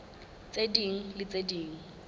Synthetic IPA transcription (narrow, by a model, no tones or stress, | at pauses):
t͡sʼediŋ̩lɪt͡sʼediːŋ̩